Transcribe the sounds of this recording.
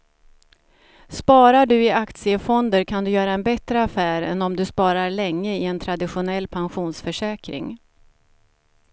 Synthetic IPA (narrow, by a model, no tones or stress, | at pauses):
spɑːɾaɖɵɪakt̪sɪəfɔnd̪əɾkʰand̪ɵjœːɾaɛnbɛt̪ɾəafæːɾɛnɔmd̪ɵspɑːɾaɾɭɛŋːəɪɛnt̪ʰɾad̪ɪɧʊnɛlːpʰanɧuːnsfœʂɛːkɾɪ̰ŋ